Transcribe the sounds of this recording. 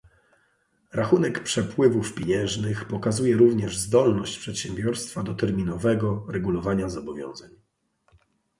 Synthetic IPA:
ɾaxunɛkpʂɛpwɘvufpʲjeɲɛ̃ʐnɘxpɔkazujɛɾuvɲɛʐzd̪ɔlnɔɕt͡ɕpʂɛt̪ɕɛmbʲjɔɾst̪fad̪ɔt̪ɛɾmʲinɔvɛɡɔɾɛɡulɔvaɲazɔbɔvʲjɔ̰̃w̃zaɲ

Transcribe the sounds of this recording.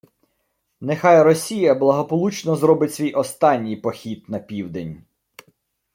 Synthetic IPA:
nexɑjrɔsʲijɐblˠɐɦɔpɔlˠut͡ʃnɔzɾɔbɪtʲsʲʋʲijʔɔst̪ɑnʲːijpɔxʲit̪nɐpʲiwd̪enʲ

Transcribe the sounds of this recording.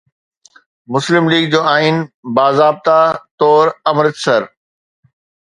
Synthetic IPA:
mʊslɪmliːɡ̚d͡ʑoːaːinbaːzaːb̚t̪at̪ɔːɾɐmɾɪt̪sɐɾ

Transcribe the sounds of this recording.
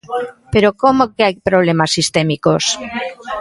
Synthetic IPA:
peɾokomokeajpɾoβ̞lemasːist̪emikos

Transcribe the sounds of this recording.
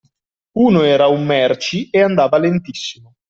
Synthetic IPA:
uːnoɛːɾaumːɛrt͡ʃieand̪aːvalent̪isːimo

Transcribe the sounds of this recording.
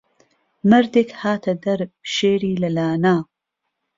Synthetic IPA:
mɐɾd̪eːkhaːt̪ʰɐd̪ɐɾʃeːɾiːlɐlaːnaː

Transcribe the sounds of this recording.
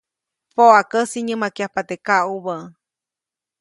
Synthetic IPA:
poakəsiɲɨmakiahpat̪ekaʔuβə

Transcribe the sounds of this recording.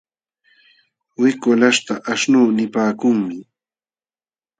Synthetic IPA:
wɪkʊlaʃt̪aʔaʃnuːnɪpaːkʊŋmɪ

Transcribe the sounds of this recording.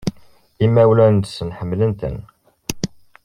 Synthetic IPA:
imːæwlænt̪sənħəmːlənt̪ə̰n

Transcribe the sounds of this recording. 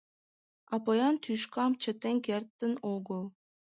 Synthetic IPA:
ɑpojɑnt̪ʰyʃkɑmt͡ɕʰə̆t̪ːeŋʲkert̪ːɘ̆noɡɤ̆lˠ

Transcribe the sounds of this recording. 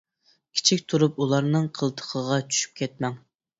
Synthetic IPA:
kʲʰi̥t͡ʃʰikʲt̪ʰuɾup̚ulˠɑɾnɨŋqʰəlˠt̪ʰə̥qʰəʁɑt͡ʃʰy̥ʃy̥p̚kʲʰɛt̪̚mɛŋ

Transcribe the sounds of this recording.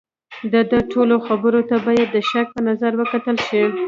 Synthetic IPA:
d̪əd̪əʈʰoloxabəɾot̪abɑjad̪ːəʃak̚pənazaɾwəkat̪əlʃi

